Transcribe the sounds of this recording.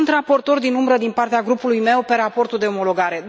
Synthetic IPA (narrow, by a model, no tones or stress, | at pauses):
nt̪rapo̞rt̪o̞rd̪inumbɾəd̪inpart̪eaɡɾupulujme̞wpe̞ɾapo̞rt̪uld̪eo̞mo̞lo̞ɡaɾe̞d̪